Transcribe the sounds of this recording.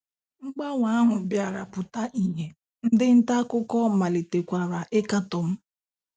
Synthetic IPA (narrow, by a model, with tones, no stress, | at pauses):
ŋ͡m̩˦ɡ͡ba˦ŋʷa˦a˦ɦʊ˨bja˨ɾa˨pʊ˨ta˦ʔi˨ɦe˨ | n̩˦dɪ˦n̩˦ta˦kʊ˦kɔ˦ma˨li˨te˨kʷa˨ɾa˨ʔe˦ka˦tɔ˨m̩˦